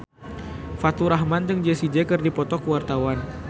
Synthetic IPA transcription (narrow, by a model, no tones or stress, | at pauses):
fat̪uɾaɦmand͡ʒəŋd͡ʒɛsid͡ʒɛkɨrdipɔt̪ɔkəwart̪awan